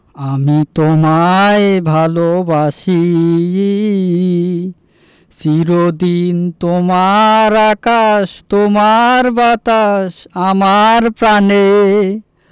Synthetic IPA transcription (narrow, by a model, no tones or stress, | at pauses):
amit̪omaebʱalobaʃi | siɾod̪int̪omaɾakaʃt̪omaɾbat̪aʃamaɾpɾane